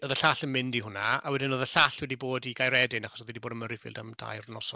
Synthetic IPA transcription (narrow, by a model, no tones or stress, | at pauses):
ɔðəɬaɬənmɪndiɦʊnaawɛdɪnoðəɬaɬwɛdiboːdiɡajɾɛdɪnaχɔsɔðwɛdiboːdənməɾifḭːlˠdamda̰jrnɔsɔ